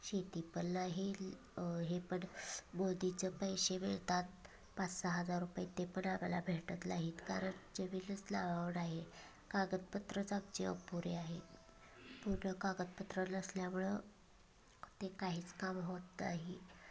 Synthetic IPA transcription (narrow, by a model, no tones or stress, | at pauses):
ɕet̪ipənːaɦe | ɦepəɳmod̪it͡səpəjɕeʋeɭt̪at̪̚ | pat͡ssaɦəd͡zaɾɾupait̪epəɳaʋjala̰bʱeʈət̪laɦiːt̪kaɾəɳd͡ʑeʋilət͡slaʋaʋəɽaɦe | kaɡət̪̚pət̪ɾət͡sak̚t͡ɕeə̰puɾeaɦe | puɾnəkaɡət̪̚pət̪ɾənəsljamuɭə | t̪ekaɦiːt͡skamɦot̪naɦi